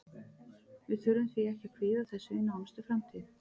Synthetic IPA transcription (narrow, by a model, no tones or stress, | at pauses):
vɪðθʏɾʏmθviɛhcɪakʰvɪːðaθɛsːʏɪnːawanst̪ʏfɾamt̪ʰiːð